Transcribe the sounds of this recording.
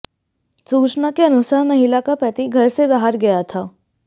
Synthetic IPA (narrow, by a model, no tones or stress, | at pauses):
suːt͡ʃnakeɐnʊsaɦmɐɦɪlakapɐt̪iɡʱɐɾsebaɦəɾɡɐjat̪ʰaː